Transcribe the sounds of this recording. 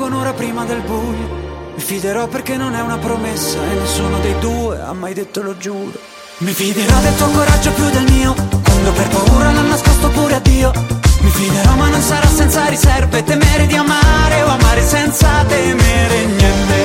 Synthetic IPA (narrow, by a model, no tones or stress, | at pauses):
onoːɾapɾiːmad̪elbujːomifid̪eɾɔpːerk̟enːonɛunapɾomesːaenːesːuːnod̪ejd̪uːea̰mːajd̪et̪ːolod͡ʒuːɾo | mifid̪eɾɔd̪elt̪aŋkoɾad͡ʒːopjud̪elmiːokwand̪operpauːɾananːaskɔst̪opuːɾead̪ːiːomifid̪eɾɔmanːonsaɾasːɛnt̪saɾisɛrvet̪emeɾed̪iamaɾeoamaːɾesɛnt̪sat̪emeɾeɲɛnt̪e